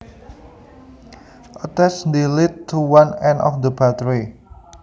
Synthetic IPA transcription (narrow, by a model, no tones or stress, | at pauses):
ʔɔt̪ɛsnd̪ilit̪̚t̪ʰːuwanɛ̃nɔ̰fd̪əbat̪əɹi